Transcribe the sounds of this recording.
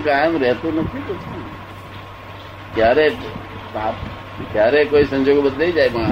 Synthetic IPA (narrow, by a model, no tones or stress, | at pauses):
kaːjmɾɛɦt̪onɐt̪ʰikot̪ʰe | kjaːɾe | aːp | kjaːɾekoːisɐ̃nd͡ʒoːɡbəd̪leid͡ʒaːemã